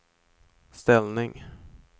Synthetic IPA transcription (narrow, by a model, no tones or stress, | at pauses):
st̪ɛlnɪŋ